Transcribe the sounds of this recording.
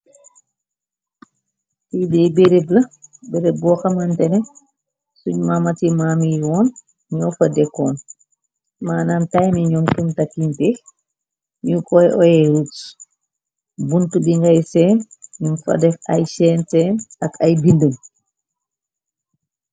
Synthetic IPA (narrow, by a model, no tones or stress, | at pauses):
tidijbeɾeblɐbeɾebɔːxɐmɐntɛnɛ | suɲmamɐtimaːmiwɔːn | ɲɔwfɐdɛkːɔːn | maːnantajmiɲɔŋkumtakːintix | ɲukɔjʔɔjɛɾuks | buntubiŋɡɐjsɛːnɲunfɐ̰dɛfɐ̰jsɛːnsɛːnɐkɐjbindəm